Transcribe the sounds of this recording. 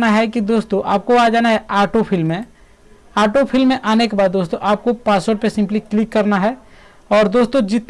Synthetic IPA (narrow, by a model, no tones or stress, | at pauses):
naɦɛkid̪oːst̪oʔa̰ːp̚koaːd͡ʒaːnaɦɛʔaːʈopʰɪlmːẽ | aːʈopʰɪlmːẽʔaːnekebaːd̪ːoːst̪õʔaːp̚kopaːswoɾɖpesɪ̃mpliklɪkːɐɾnaɦɛ | ɔːɾd̪oːst̪õd͡ʒɪt̪